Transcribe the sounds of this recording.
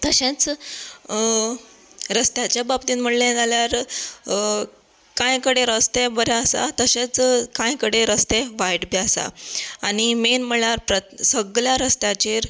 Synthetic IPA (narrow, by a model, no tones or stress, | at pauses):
t̪əɕẽt͡s | ɾəst̪jat͡ɕjababt̪iːnm̤əɽlẽd͡zʱaljaɾ | kãjkəɽeɾəst̪ebəɾjaəsa̰t̪əɕẽt͡skãjkəɽeɾəst̪eʋajʈbjaasa̰aɽimenm̤əɭaɾpɾəsəɡljaɾəst̪jat͡ɕeɾ